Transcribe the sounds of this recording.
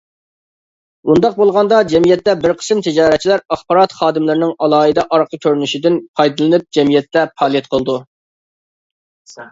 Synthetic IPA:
und̪ɑq̚bolˠʁɑnd̪ɑd͡ʒɛmijɛt̪ːɛbɪɾqʰə̥sɨmt̪ʰɪd͡ʒɑːɾɛt̪̚t͡ʃʰilæɾɑχbɑɾɑt̪χɑːd̪ɨmlˠɨɾɪnɪŋɑlˠɑːɨd̪ɛʔɑɾqʰəkʲʰøɾynyʃid̪ɪnpʰɑjd̪ɨlˠɨnɨp̚d͡ʒɛmijɛt̪ːɛpʰɑːlˠijɛt̪̚qʰəlˠd̪u

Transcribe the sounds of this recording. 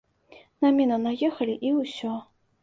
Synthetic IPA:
namʲinɐnajɛxɐlʲiʔiwsʲɔ

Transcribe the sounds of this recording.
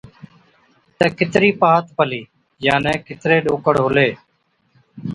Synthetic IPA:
t̪ɛːkɪt̪ɾiːpaːt̪pəliː | jaːnẽːkɪt̪ɾeːɗoːkəɽɦoleː

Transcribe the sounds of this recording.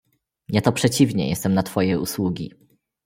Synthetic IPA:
jat̪ɔpʂɛt͡ɕivɲɛ̰jɛ̰st̪ɛmnat̪fɔjɛṵswuɡʲḭ

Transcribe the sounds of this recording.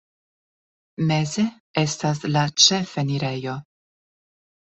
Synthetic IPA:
me̞ze̞ | e̞stas̬lat͡ʃe̞feniɾe̞jo̞

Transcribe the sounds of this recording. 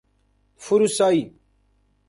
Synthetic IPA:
fuɾusaːi

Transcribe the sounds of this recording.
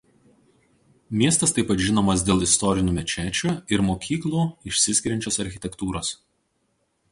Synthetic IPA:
mʲiɛst̪ɐst̪ɐɪpːɐt̪ʒʲɪnoɔːmɐsd̪ʲeːlˠɪst̪ɔɾʲɪnʲuːmʲɛt͡ʃʲæːt͡ʃʲuːɪɾmoːkʲiːklˠuːɪʃʲsʲɪsʲkʲɪɾʲɛnʲt͡ʃʲoːsɐɾʲxʲɪt̪ʲɛkt̪uːɾoːs

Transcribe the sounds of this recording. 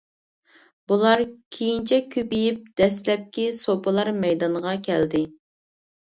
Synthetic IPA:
b̥ulˠɑɾkʲʰejint͡ʃʰɛkʲʰøpijip̚d̪ɛslɛp̚kʲisopʰɨlˠɑɾmɛjd̪ɑnʁɑkʲʰɛld̪ɪ

